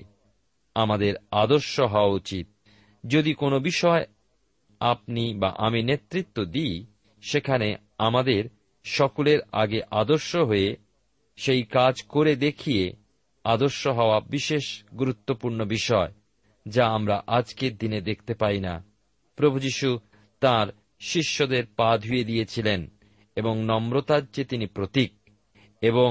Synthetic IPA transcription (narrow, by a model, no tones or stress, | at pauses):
amad̪eɾad̪oɾʃoɦɔoaut͡ɕit̪̚ | d͡ʑod̪ikonobiʃɔe | ap̚niba̰ʔaminet̪ːɾit̪ːod̪i | ʃekʰane | amad̪eɾ | ʃɔkoleɾa̰ɡeʔad̪oɾʃoɦoe | ʃejkad͡ʑkoɾed̪ekʰije | ad̪oɾʃoɦɔoabiʃeʃɡuɾut̪ːopuɾnobiʃɔe | d͡ʑaamɾaʔad͡ʑkeɾd̪ined̪ek̚ʰt̪epajna̰ | pɾobʱud͡ʑiʃu | t̪aɾ | ʃiʃːod̪eɾpad̪ʱujed̪ijet͡ɕʰilen | eboŋnɔmɾot̪add͡ʑet̪inipɾot̪ik̚ | eβoŋ